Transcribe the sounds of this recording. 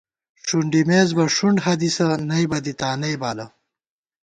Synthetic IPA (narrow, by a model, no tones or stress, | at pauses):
ʂuɳɖimeːzbɐʂuɳɖɦɐd̪isɐnɐjbɐd̪it̪aːnɐjbaːlɐ